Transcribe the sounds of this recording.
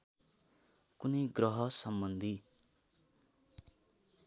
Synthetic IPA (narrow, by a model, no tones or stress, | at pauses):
kunʌjɡrʌɦʌsʌmbʌnd̪ʱi